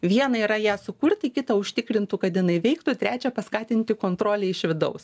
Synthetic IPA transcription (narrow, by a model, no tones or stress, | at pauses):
ʋʲiɛnɐiːɾɐjæːsʊkʊɾt̪ʲɪkʲɪt̪ɐʊʃʲt̪ʲɪkɾʲɪnt̪uːkɐt̪jɪnɐɪʋʲɛɪkt̪ʊt̪ʲɾʲæːt͡ʃʲɛpɐskɑːt̪ʲɪnʲt̪ʲɪkoːnt̪ɾoːlʲeːɪʃʲʋʲɪd̪ɐʊs